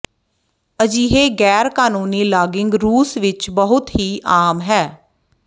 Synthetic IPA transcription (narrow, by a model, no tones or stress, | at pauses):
əd͡ʒiːɦeːɡɛːɾkaːnuːniːlaːɡɪŋɡɾuːsʋɪt͡ʃbəɦʊt̪ɦiːʔaːmɦɛː